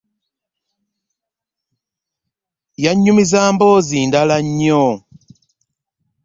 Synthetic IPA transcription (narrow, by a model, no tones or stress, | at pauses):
jaɲumizambɔzindalaɲɔ